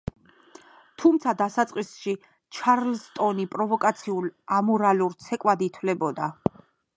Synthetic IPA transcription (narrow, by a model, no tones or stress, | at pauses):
t̪ʰumt̪sʰad̪asat̪sʼqʼisʃi | t͡ʃʰaɾlst̪ʼɔnipʼɾɔvɔkʼat̪sʰiulamɔɾaluɾt̪sʰɛkʼwad̪it̪ʰwlɛbɔd̪a